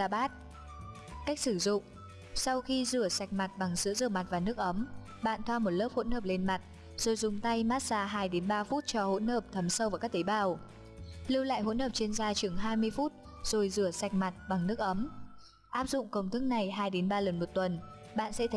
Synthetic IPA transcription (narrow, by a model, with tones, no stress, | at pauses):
aː˧˩ɓaː˦˥t̚ | ka˦˥k̟̚sɨ˧˩zʊ̰˧˨ŋ͡m | sa˧wxi˧zɨ˧˩əsa˨˩k̚ma˨˩t̚ɓa˨˩ŋzɨ̰˧˥zɨ˧˩əma˨˩t̚vaː˨˩nɨ˦˥ək̚ʔə˨˦m | ɓa̰ː˧˨nt̪ʰwaː˧mo˨˩t̚ləː˦˥p̚ho̰˧˥nhəː˧˨˩p̚le˧nma˨˩t̚ | z̥o˨˩jzʊ˨˩ŋ͡mt̪a˧jmaː˦˥t̚saː˧ɦaː˧jɗe˨˦nɓaː˧fu˦˥t̚t͡ɕɔ˧ho̰˧˥nhəː˧˨˩p̚t̪ʰə˨˦msə˧wvaː˨˩kaː˦˥k̚t̪e˨˦jɓaː˧˩w | lɨ˧wla̰ː˧˨jɦo̰˧˥nhəː˨˩p̚t͡ɕe˧nzaː˧t͡ɕɨ˨˩əŋɦaː˧jmɨ˧əjfu˦˥t̚ | z̥o˨˩jzɨ˧˩əsa˨˩jk̟̚ma˨˩t̚ɓa˨˩ŋnɨ˦˥ək̚ʔə˨˦m | ʔaː˦˥p̚zʊ̰˧˨ŋ͡mkə˧wŋ͡mt̪ʰɨ˦˥k̚na˨˩jɦaː˧jɗe˨˦nɓaː˧lə˨˩nmo˨˩t̚t̪wə˨˩n | ɓa̰ː˧˨nsɛ̰˧˥t̪ʰ